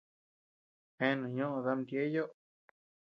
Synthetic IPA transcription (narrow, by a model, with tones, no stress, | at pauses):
hẽ˦nũ˨ɲõ˦ʔõ˧ða˧˦md̪je˦jo˦ʔ